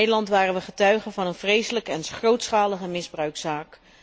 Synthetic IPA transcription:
jdəlɑntʋaːrənʋəχətœɥχəvɑnənv̥rejsələkɛnχrowtsχaːləχəmɪzbrœɥksaːk

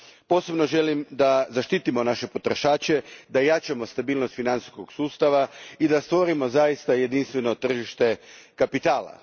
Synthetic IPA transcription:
po̞ːse̞bno̞ʒelimd̪azaʃt̪it̪imo̞naʃe̞pot̪ɾoʃaːt͡ʃe̞d̪ajat͡ʃamost̪abiːlnost̪finant̪i̥skoɡ̥suːst̪aʋaid̪ast̪ʋo̞ɾimo̞zajist̪aje̞d̪inst̪ʋe̞no̞t̪r̩ʒiʃt̪e̞kapit̪aːla̰

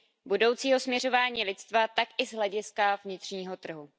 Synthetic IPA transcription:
budo̞wt͡siːɦo̞smɲɛro̞vaːɲiːlɪt̪t͡st̪vat̪akʔɪzɦlɛɟɪskavɲɪt̪r̝̥ɲiːɦo̞t̪r̩ɦu

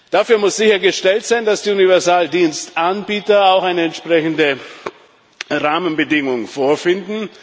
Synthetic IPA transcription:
d̥aːfyːɐmʊsz̥ɪçɐɡəʃtɛltz̥aɪndasd̥iːʊnivɛɐzaːldiːnstʔanbiːtɐaʊxaɪnəɛntʃpʁ̥ɛçn̩də | ʁaːmənbədɪŋʊŋfoːɐfɪndn̩

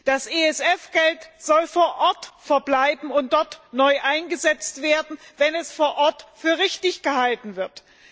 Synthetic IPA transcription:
d̥asʔeɛsɛfɡ̥ɛltz̥ɔlfoːɐʔɔɐtfɛɐblaɪbm̩ʊnt̚d̥ɔɐtnɔʏʔaɪnɡəzɛt͡stv̥eːɐdn̩vɛnɛsfoːɐʔɔɐtfyːɐʁɪçtɪçɡ̥əhaltn̩vɪɐt

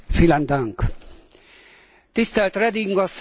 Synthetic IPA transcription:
filɛnd̪aŋk | t̪ist̪ɛlt̪rɛd̪iŋɡɒs

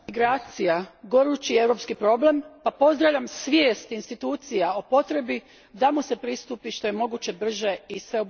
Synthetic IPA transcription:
ɡɾaːt̪sijaɡo̞ɾut͡ɕieʋɾo̞pskipɾo̞ble̞mpapo̞zd̪ɾaʋʎʲamsʋjeːst̪inst̪it̪uːt̪sijaopo̞t̪ɾe̞bi | d̪amuse̞pɾist̪uːpiʃt̪o̞je̞mo̞ɡuːt͡ɕe̞br̩ʒe̞isʋe̞ob

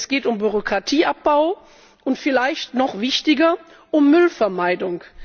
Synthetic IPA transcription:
sɡ̥eːtʊmbyʁ̞okʁ̥atʰiːʔap̚b̥aʊ | ʔʊntfɪlaɪçtnɔχv̥ɪçtɪɡɐ | ʔʊmːʏlfɛɐmaɪdʊŋ

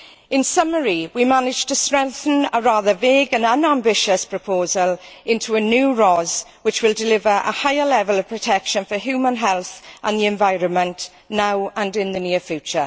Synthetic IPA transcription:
ɪ̃nsʌməɹiwimanɪd͡ʒ̥tʰəstɹ̥ɛ̃ŋkθə̃nəɹaːðəveːɡə̃nə̃nãmbɪʃəspʰɹ̥əpʰoːzəlˠɪ̃ntʰuənjuːɹɔz̥wɪt͡ʃwɪlˠdɪlɪvəɹʔə̰haɪəlɛvələv̥pʰɹ̥ətʰɛkʃə̃nfəɦjʉːmə̃nɦɛlˠθʔə̃nðiɛ̃ɱvaɪɹə̃nmə̃nt | naʊə̃nɪ̃nðənɪəfjʉˑt͡ʃə

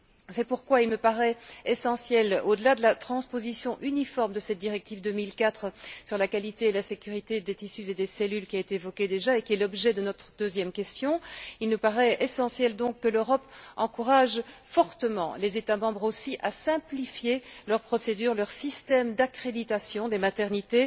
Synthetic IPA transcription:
sɛpuʁkwailməpaʁɛesɑ̃sjɛlod̪əlad̪əlat̪χɑ̃spozisjɔ̃ʔynifɔʁmd̪əsɛt̪̚d̪iʁɛk̚t̪ivd̪ømilkat̪χəsyʁlakalit̪eːlasekʲyʁit̪ed̪et̪isyzed̪eselylkʲiaet̪eːvɔkʲed̪eʒaekʲiɛlɔbʒɛd̪ənɔt̪χəd̪øzjɛmkʲɛst̪jɔ̃ilnəpaʁɛesɑ̃sjɛld̪ɔ̃kːəløʁɔpɑ̃kuʁaʒfɔʁt̪əmɑ̰̃lezet̪amɑ̃bʁosiʔasɛ̃plifjelœʁpχɔsed̪yːʁlœʁsist̪ɛmd̪akχed̪it̪asjɔ̃d̪emat̪ɛʁnit̪e

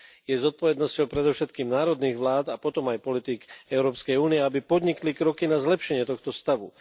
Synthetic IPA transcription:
jɛzɔt̪̚pɔʋɛd̪nɔscɔʊpɾɛd̪ɔʊʃɛt̪kiːmnaːɾɔd̪niːɣʋlaːd̪apɔt̪ɔmajpɔlit̪iːɡɛʊɾɔːpskɛjuːniɛabipɔd̪ɲiklikɾɔkinazlɛpʃɛɲɪɛt̪ɔxt̪ɔst̪aʋu

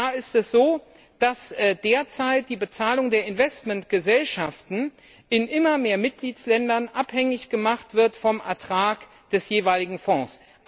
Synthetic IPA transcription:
aɪstɛsz̥oː | d̥asɛːd̥eːɐt͡saɪt̚d̥iːbət͡saːlʊŋdeːɐɪnvɛstmɛntɡ̥əzɛlʃaftn̩ | ʔɪnʔɪmɐmeːɐmɪt̚ɡ̥liːt͡slɛndɐnʔaphɛŋɪçɡ̥əmaχtv̥ɪɐtfɔmɛ̰ɐtʁ̥aːk | d̥ɛsjeːvaɪlɪɡŋ̩fɔ̃ːs

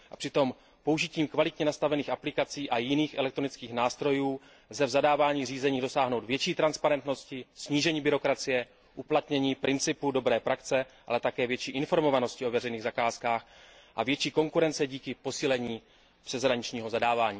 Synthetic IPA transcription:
ʔapr̥ɪt̪o̞m | po̞uʒɪciːmkvalɪt̪ɲɛnast̪avɛniːxʔaplɪkat͡siːʔajɪniːxʔɛlɛk̚t̪ɾonɪt͡skiːxnaːst̪ɾo̞juː | zɛvzadaːvaːɲiːriːzɛɲiːɣdo̞saːɦno̞wt̪vjɛt͡ʃiːt̪ɾanspaɾɛnt̪no̞scɪsɲiːʒɛɲiːbɪɾo̞kɾat͡sɪjɛ | ʔuplat̪ɲɛɲiːpɾʔɪnt͡sɪpudo̞bɾɛːpɾakt͡sɛʔa̰lɛt̪akɛːvjɛt͡ʃiːʔɪnfo̞ɾmo̞vano̞scɪo̞vɛrɛjniːɣzakaːskaːxʔavjɛt͡ʃiːko̞ŋkuɾɛnt͡sɛɟiːkɪpo̞siːlɛɲiː | pr̥ɛzɦɾaɲɪt͡ʃɲiːɦo̞zadaːvaːɲiː

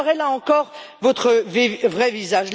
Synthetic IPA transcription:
əʁɛlaɑ̃kɔːʁ | vɔt̪χəvvʁɛvizaʒl

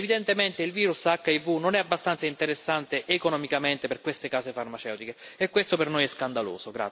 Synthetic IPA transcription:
evid̪ent̪ement̪eilviːɾusakːaivːunːonɛabːast̪ant̪saint̪eɾesːant̪eʔːkonɔmikament̪eperkwest̪ekaːsefarmat͡ʃɛ̰wt̪ikeekːwest̪opernojɛskand̪alo̰ːsoɡɾa̰

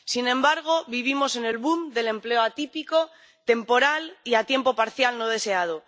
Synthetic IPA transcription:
sinẽ̞mbaɾɣ̞o̞βiβ̞imo̞se̞ne̞lβumd̪e̞le̞mple̞oat̪ipiko̞ | t̪e̞mpo̞ɾaliat̪je̞mpo̞paɾθjalno̞ðe̞se̞að̞o̞

